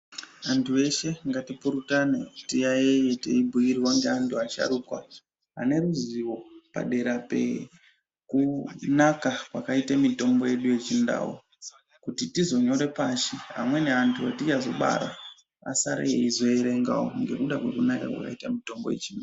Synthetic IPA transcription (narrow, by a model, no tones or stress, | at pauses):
antʰue̞ʃe̞ŋɡatipuɾutanetijajeje̞tḛibʱujiɾiwaŋɡeantʰuaʃa̰ɾukwa̰ | ɦane̞ɾuziwo̞pa̰ɗe̞ɾape̞̰ | kunakakwakaitamito̞mbo̞je̞ɗuje̞t͡ʃinda̰wo̰ | kutitizo̞ɲo̞ɾe̞paʃiɦamwe̞ne̞antʰuatit͡ʃazo̞̰ɓa̰ɾa̰ | asaɾḛḛizo̞eɾe̞ŋɡa̰wo̰ŋɡe̞kuɗakwe̞kunaka̰kwa̰ka̰itamito̞mbo̞je̞̰t͡ʃinda